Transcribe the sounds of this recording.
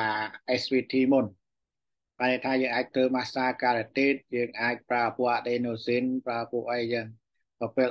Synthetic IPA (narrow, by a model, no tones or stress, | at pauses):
ʔɛswiːt̪ʰiːmun | panit̪ʰaːjəːŋʔaːc̚t̪ʰəːmaːsaːkaːɾɛt̪eːt̪̚jəːŋʔaːc̚praəpuəʔaɗeːnoːsinpraəpuəʔəjjaəŋ | pəpeəl